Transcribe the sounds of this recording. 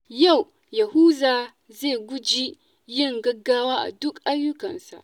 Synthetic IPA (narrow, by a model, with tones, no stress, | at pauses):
ja˦˨w | jɐ˨hu˦zaː˨ | ze˦˨ɡʷʊ˦d͡ʒi˦ | jɪ˦˨ŋɡɐ˦ɡːaː˦waː˦ʔa̰˨dʊ˦kʔa˦ɽjʊ˦kɐ̰˨nsa̰˨ʔ